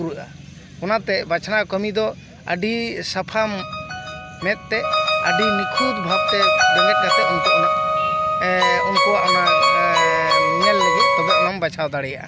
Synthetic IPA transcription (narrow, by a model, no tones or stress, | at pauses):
uɾuʔa | kɔnat̪ɛbat͡ʃʰanakəmid̪ɔ | əɖisapʰamː | ɛt̪̚ˀːɛəɖinikʰud̪bʱab̚t̪ɛd͡ʒɔmɛt̪̚nat̪ɛɔnt̪ɔʔɔna | ɔnkɔwaʔɔna | nɛlːəɡut̪̚kɔbaʔɔnambat͡ʃʰawd̪aɽɛjaʔa̰